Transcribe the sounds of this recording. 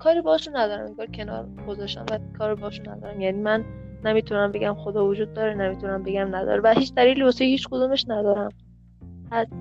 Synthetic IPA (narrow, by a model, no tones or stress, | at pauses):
kʰɒːɾiːbɒhɒʃunːæd̪ɒːɾæ̰meŋɡɒːɾcʰe̞nɒ̰ːɾ | ɡozɒʃt̪æ̰mvækʰɒːɾibɒhɔʃunːæ̰d̪ɒ̰ːɾæmjæniːmænː | emiːt̪ʰunæmbe̞ɡʲæmxod̪ɒːvod͡ʒuːd̪̚ːɒːɾenemiːt̪ʰunæmbe̞ɡʲæmnæd̪ɒ̰ːɾebæhiːt͡ʃd̪æliːliːbɒsehiːt͡ʃkod̪uːmeʃnæd̪ɒːɾæm | æs